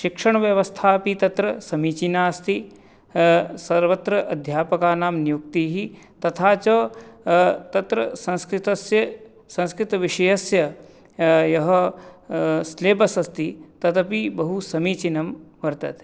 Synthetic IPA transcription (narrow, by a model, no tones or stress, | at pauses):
ʃikʂɐɳɐʋjɐʋɐst̪ʰaːpit̪ɐt̪ɾɐsɐmiːt͡ʃinaːst̪ʰi | sɐɾʋɐt̪ɾɐʔɐd̪ʱjaːpɐkaːnaːmnjuk̚t̪iːɦi | t̪ɐt̪ʰaːt͡ʃɐ | t̪ɐt̪ɾɐsɐ̃nskɾɪt̪ɐsjɐ | sɐ̃nskɾɪt̪ɐʋiʂɐjɐsjɐ | jɐɦɐ | sleːpɐsɐst̪it̪ɐt̪ʰɐpibɐɦusɐmiːt͡ʃinɐmʋɐɾt̪ɐ̰t̪